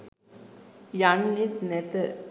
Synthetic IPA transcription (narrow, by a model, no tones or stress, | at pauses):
jaɳːit̪nɛt̪ə